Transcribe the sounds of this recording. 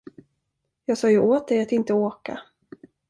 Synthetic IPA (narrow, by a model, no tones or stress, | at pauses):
jɑːɡsɑːjɵʔoːt̪̚d̪ɛjat̪ɪnt̪əoːka̰